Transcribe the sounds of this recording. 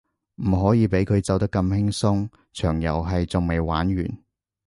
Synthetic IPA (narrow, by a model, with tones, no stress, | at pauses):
m̩˨˩ɦɔː˨˥jiː˧pe˨˥jkʰɵ˨˧ɥt͡sɐ˨wt̪ɐ˥kːɐ˧mhɪ˥ŋsʊ˥ŋ | t͡ʃʰœː˨˩ŋjɐ̰˨˩wɦɐ˨jt͡sʊ˨ŋme˨˧jwaː˨˥nɥy̰ː˨˩n